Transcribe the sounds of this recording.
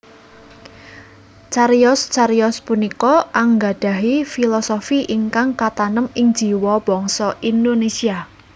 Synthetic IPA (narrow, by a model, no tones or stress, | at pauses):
t͡ʃaɾjɔst͡ʃaɾijɔspunikɔʔaŋɡaɖ̥a̤ɦifilɔsofiʔiŋkaŋkat̪anəmɪŋd̥d͡ʒ̥i̤wɔb̥ɔ̤ŋsɔʔind̪onesia